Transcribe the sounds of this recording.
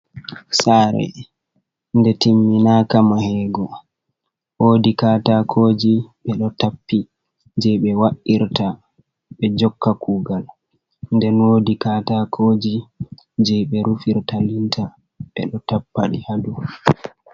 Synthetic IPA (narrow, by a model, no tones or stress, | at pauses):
saːɾɛ̰ | ndɛtimːinaːkamahɛːɡɔ | woːdikaːtakʰoːd͡ʒiɓɛɗɔtapːi | d͡ʒɛjɓɛwaʔiɾta | ɓɛd͡ʒɔkːakʰuːɡal | ndɛnwodikaːtakʰoːd͡ʒi | d͡ʒɛjɓɛɾufiɾtalintʰa | ɓɛ̰ɗɔtapːaɗḭhadu